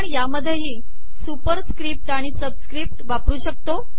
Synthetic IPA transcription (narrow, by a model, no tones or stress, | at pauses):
əɳjaməd̪ʱjeɦiː | supəɾskɾip̚ʈaɽ̃isəbskɾip̚ʈʋapɾuːɕək̚t̪o